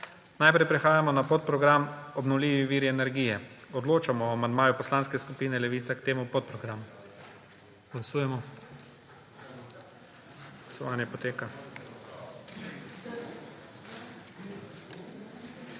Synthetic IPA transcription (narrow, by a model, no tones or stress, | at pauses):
najpɾɛjpɾɛxaːjamɔnapot̪̚pɾɔɡɾamɔbnɔwliːʋiʋiːɾiɛnɛɾɡijɛɔd̪loːt͡ʃamɔamand̪maːjupɔslanskɛskupiːnɛlɛʋiːt̪sakt̪eːmupot̪̚pɾɔɡɾamu | ɡ̥lasuːjɛmɔ | ɡ̥lasɔʋaːnjɛpɔt̪eːka